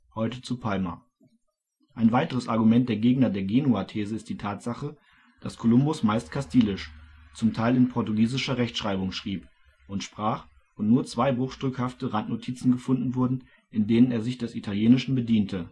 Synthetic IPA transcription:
hɔʏtət͡supʰalmɐ̰ | ʔaɪnvaɪtəʁ̞əsʔaɐɡumɛnt̚d̥eːɐɡeːɡnɐdeːɐɡeːnuatʰeːzəɪst̚d̥iːtʰaːtz̥aχə | d̥askʰolʊmbʊsmaɪstkʰastʰiːlɪʃ | t͡sʊmtʰaɪlɪnpʰɔɐtuɡiːzɪʃɐʁɛçtʃʁ̥aɪbʊŋʃʁ̥iːp | ʔʊntʃpʁ̥aːχ | vʊntnuːɐt͡sv̥aɪbʁʊχʃtʁ̥ʏkhaftəʁantnotʰiːt͡sn̩ɡəfʊndn̩vʊɐdn̩ | ʔɪndeːnəneːɐzɪçd̥ɛsitʰaljeːnɪʃn̩bədiːntʰə

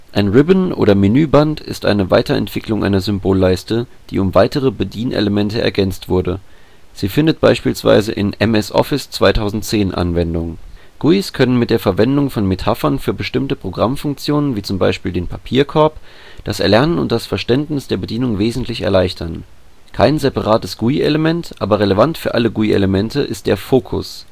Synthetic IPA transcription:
ʔaɪnʁɪbənʔo̰ːɾɐminyːbantʰɪ̰stʔa̰ɪnəva̰ɪtɐɛ̰ntv̥ɪkʰlʊŋʔa̰ɪnɐzʏmboːlːaɪstəd̥ḭːʊmvaɪtəʁ̞əbədiːnʔḛləmɛntəɛ̰ɐɡɛnt͡stv̥ʊɐdə | z̥iːfɪndət̚b̥aɪʃpiːlsv̥a̰ɪzə̰ʔɪ̰nɛmɛsʔɔ̰fɪst͡sv̥aɪtʰaʊzn̩tt͡seːnʔa̰nvɛndʊŋ | ɡ̥uiskʰœnənmɪt̚d̥eːɐfɛɐvɛndʊŋfɔnmetʰafɐnfyːɐbəʃtɪmtəpʁ̥oɡʁamfʊŋk̚t͡sjoːnənviːt͡sʊmba̰ɪʃpiːldeːnpʰapʰiːɐkʰɔɐp | d̥asʔɛɐlɛɐnənʊ̰nt̚d̥asfɛɐʃtɛntnɪsd̥eːɐbədiːnʊŋveːzn̩tʰlɪçɛ̰ɐlaɪçtʰɐn | kʰaɪnzepaʁaːtəsɡ̥uiʔeləmɛntʔʔa̰ːbɐʁeləvantfyːɐʔaləɡuiʔḛləmɛntʰəʔɪstd̥ḛːɐfoːkʰʊ̰s

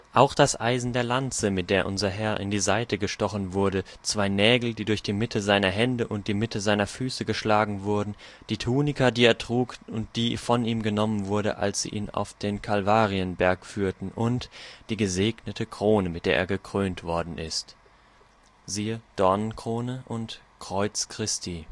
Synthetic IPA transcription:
ʔaʊxd̥asʔa̰ɪzn̩deːɐlant͡səmɪt̚d̥eːɐʔʊnzɐɦɛɐʔɪ̰ndiːzaɪtʰəɡəʃtɔχn̩vʊɐdət͡sv̥aɪnɛːɡl̩diːdʊɐçd̥iːmɪtʰəzaɪnɐɦɛndəʔʊnt̚d̥iːmɪtʰəzaɪnɐfyːsəɡəʃlaːɡŋ̩vʊɐdn̩d̥iːtʰuːnɪkɐdiːeːɐtʁ̥uːkʊnt̚d̥iːfɔniːmɡənɔmənvʊɐɾə̰ʔa̰lsz̥ḭːʔiːna̰ʊfd̥eːnkʰalvaːʁiənbɛɐkfyːɐtn̩ʔʊntd̥iːɡəzeːɡnətʰəkʁ̥oːnəmɪt̚d̥eːɐʔḛːɐɡəkʁ̥øːntv̥ɔɐdn̩ʔɪst | ziːəd̥ɔɐnənkʁ̥oːnəʔʊnt | kʁ̥ɔʏt͡skʁ̥ɪstʰiː

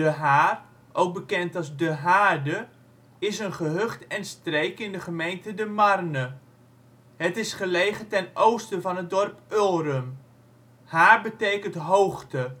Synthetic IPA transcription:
dəɦaːr | ʔowɡ̚bəkɛntɑlˠzdəɦaːdə | ɪsənχəɦøχtɛnstrejkɪndəχəmejntədəmɑrnə | ɦətɪsχəlejχətɛnowstəvɑnɦət̚dɔrpølˠrəm | haːɹbətejkəntɦowχtə

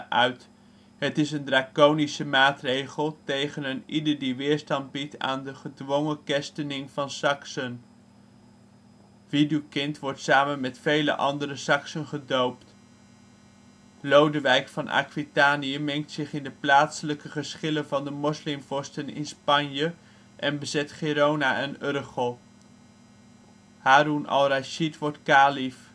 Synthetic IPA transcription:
ʔœɥt | ɦətɪsəndraːkownisəmaːtrejχəlˠtejχənənidəɹdiʋɪːɹstɑnd̚bita̰ːndəχədʋɔŋəkɛstənɪŋvɑnsɑksən | ʋidykɪntʋɔɹtsaːmənmɛtfejlə̰ʔɑ̰ndərəsɑksənχədowpt | lowdəʋɛjkfɑnʔa̰kʋitaːnijəmɛŋk̚tsɪχɪndəplaːtsələkəχəsχɪlənvɑndəmɔslɪmvɔstənɪ̰nspɑnjə | ʔɛnbəzɛtχeːɾownaːʔənʏrχəlˠ | haːɾunɑ̰lˠraʃitʋɔɹtkaːlif

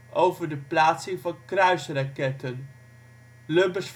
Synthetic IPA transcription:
ʔowvəɹdəplaːtsɪŋvɑnkrœɥsrɑkɛtən | løbəs

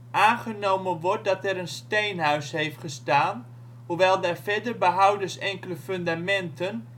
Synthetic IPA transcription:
ʔaːnχənowmənʋɔɹt̚dɑtɛɾənstejnɦœɥsɦejftχəstaːn | ɦuʋɛlˠdɛɹfɛɹdərbəɦawdəsɛŋkələfɵndamɛntən

